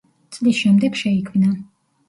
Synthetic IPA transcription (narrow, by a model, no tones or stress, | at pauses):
t̪sʼlisʃɛmd̪ɛkʃɛikʰwina